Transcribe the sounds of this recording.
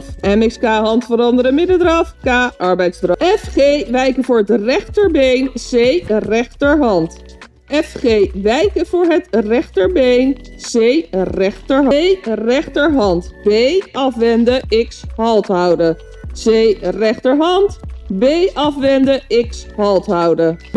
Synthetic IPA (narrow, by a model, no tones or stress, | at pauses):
ɛmɪkskaːɦɑntfəɾɑndəɾəmɪdədrɑfkaːʔɑɹbɛjtzdrɑɛfχejʋɛjkəvʊːɹətrɛχtəɹbejnz̥ejrɛχtəɹɦɑnt | ɛfχeːʋɛjkəv̥ʊːɹɦətrɛχtəɹbejnz̥ejrɛχtəɹɦɛjrɛχtəɹɦɑntbejɑfʋɛndəɪkshɑlˠtɦʌwdə | z̥ejrɛχtəɹɦɑntbejʔɑfʋɛndəɪkshɑlˠtɦʌwdə